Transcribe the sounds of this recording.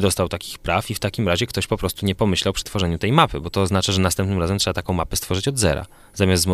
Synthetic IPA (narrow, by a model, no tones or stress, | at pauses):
d̪ɔst̪awt̪akʲi̥xpɾafift̪akʲimɾaʑɛkt̪ɔɕpɔpɾɔst̪uɲɛpɔmɘɕlawpʂɘ̥t̪fɔʐɛɲut̪ɛjmapɘ̰bɔt̪ɔːznat͡ʂaʐɛnast̪ɛmpnɘmɾazɛmtʂɛbat̪akɔ̃w̃mapɛst̪fɔʐɘt͡ɕɔd̪zɛ̰ɾa̰ | zamʲaszm